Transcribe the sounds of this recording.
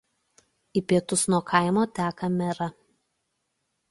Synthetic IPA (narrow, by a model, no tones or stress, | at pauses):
ipʲiɛt̪ʊsnuɔkʰɐˑɪmoːt̪ʲæːkɐmʲɛɾɐ